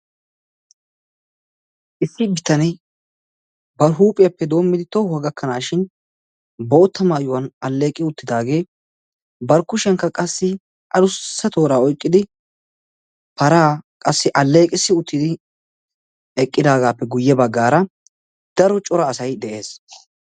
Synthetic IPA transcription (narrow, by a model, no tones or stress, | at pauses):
ʔɪsːɪbɪt̪ɐnɪ | bɐɾɦuːpʼɪjɐpːɛd̪o̞ːmːɪd̪ɪt̪oʊɐɡɐkːɐnaːʃɪn | bo̞ːt̪ːɐmaːjʊwɐnɐlːeːkʼɪʊt̪ːɪd̪aːɡe̞ː | bɐɾkʊʃɛŋkːɐkʼɐsːɪ | ʔɐlʊsːɐt̪o̞ːɾaːɔjkʼːɪd̪ɪ | pɐɾaːkʼɐsːɪʔɐlːe̞ːkʼɪsːɪʊt̪ːɪd̪ɪ | ɛkʼːɪd̪aːɡaːpːɛɡʊjːɛbɐɡːaːɾɐ | d̪̥ɐɾɔt͡ʃʼɔɾɐːsɐjd̪ɛʔe̞ːs